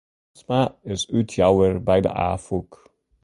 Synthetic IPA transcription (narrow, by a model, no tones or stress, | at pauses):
smaɪsytʰjɑwəɹbɛjdə̰ʔa̰ːfuk